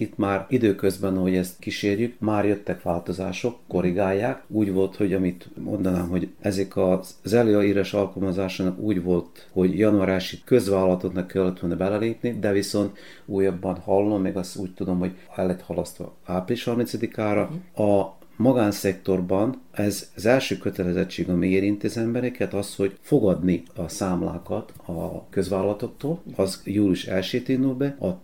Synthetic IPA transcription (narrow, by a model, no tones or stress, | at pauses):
it̪maːrid̪øːkø̞zbɛnɒɦo̞ɟɛst̪kiʃeːrjykmaːrjø̞t̪ːɛkʋaːlt̪o̞za̰ːʃo̞kːo̞ɾiɡaːjːaːkuːɟʋo̞lt̪ho̞ɟɒmit̪mʔo̞̰nd̪ɒnaːmɦo̞ɟʔɛzɛkɒ | zɛliːɒiːɾɛʃɒlkɒlmɒzaːʃaːnɒkuːɟʋo̞lt̪ | ho̞ɟjɒnuaːɾaːʃikø̞zʋaːlːɒlɒt̪o̞knɛkːɛlːɛt̪unɛbɛlɛleːpnid̪ɛviso̞nt̪ | uːjːɒbːɒnhɒlːo̞mːɛɡɒst̪uːc̚t̪ud̪o̞mho̞ɟ | ɛlːɛt̪hɒlɒst̪ʋɒ̰aːpliʃhɒrminsɒd̪ikaːɾɒɒ | mɒɡaːnsɛkt̪o̞rbɒnɛzzɛlʃøːkø̞t̪ɛlɛzɛt͡ʃːeːɡɒmieːɾint̪iɒzɛmbɛɾɛkɛt̪ɒsho̞ɟfo̞ɡɒd̪niɒsaːmla̰ːkɒt̪ | ɒkø̞zʋaːlɒlɒt̪o̞kt̪oːlɒzjuːliuʃɛ̰lʃeːt̪ind̪ulbɛɒ